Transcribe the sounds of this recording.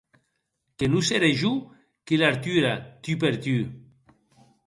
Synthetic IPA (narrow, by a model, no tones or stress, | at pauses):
kenuseɾeʒu | kelaɾt̪yɾat̪yp̬eɾt̪y